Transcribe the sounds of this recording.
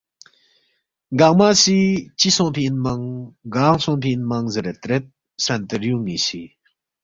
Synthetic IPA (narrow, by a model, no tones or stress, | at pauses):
ɡaŋmasit͡ʃisɔ̃ʔpʰiʔinmɐŋɡaŋsɔnpʰiʔinmɐŋzəɾɛt̪ɾɛt̪̚ | sɐnt̪əɾjuŋnisi